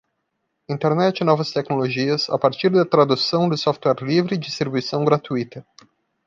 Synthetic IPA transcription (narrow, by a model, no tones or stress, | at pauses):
ĩnt̪eɾnɛt͡ʃɪnɔvɐst̪ɛknoloʒiɐsa̰paɾt͡ʃiɾd̪ɐt̪ɾad̪usɐ̃w̃d̪ʊsɔft̪wɛɾlivɾɪd͡ʒist̪ɾibujsɐ̃w̃ɡɾat̪uit̪ɐ